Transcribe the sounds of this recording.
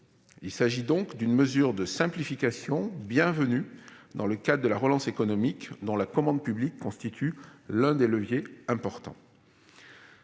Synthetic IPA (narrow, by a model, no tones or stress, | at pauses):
ilsaʒid̪ɔ̃kd̪ynməzyʁd̪əsɛ̃plifikasjɔ̃bjɛ̃vənyd̪ɑ̃ləkad̪ʁəd̪əlaʁəlɑ̃sekɔnɔmikd̪ɔ̃lakɔmɑ̃d̪̚pyblikːɔ̃st̪it̪ʰylɛ̃d̪eləvjeɛ̃pɔʁt̪ɑ̰̃